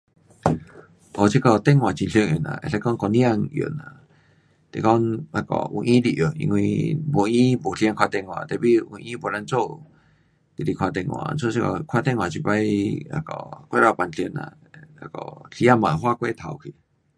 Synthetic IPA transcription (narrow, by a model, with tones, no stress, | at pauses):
ʔo˨t͡ʃi˦kɔ˧˨t̪e˦˨ŋwã˨t͡ʃi˧˨ɬə˧ŋjo˨nã̰˨ʔḛ˧˨ɬa˧˦kɔ˦ŋkɔ˧˨nja˧ŋjo̰˨nã˧˨ | t̪e˨kɔ˦na˧kɔ̰˧˨ṵ˧˨ʔĩ˦d̪i˧ʔjo˨ḭ˧ŋwĩ˧bo˧ĩ˦bo˨ɬja˧ŋkʰʷwa˧t̪e˧˨ŋwã̰˨t̪e˧˨bi˦u˧ʔĩ˦bo˨la˧˦nt͡so˦˨ | t̪i˨i˧kʰʷwa˧t̪e˧˨ŋwã̰ː˧˨˧nt͡so˦˨t͡ʃi˦kɔ˧˨kʰa˦t̪e˦˨ŋwã˨t͡ʃi˧ba˦ja̰˧kɔ˧˨kʷe˦ɾa˧˨pa˧˨nɬjə˧nã̰˧˨ | a˧kɔ˧˨ɬja˦mã˨ɦwa˦˨kʷe˦˨t̪ʰa˨˧˨wkʰi˨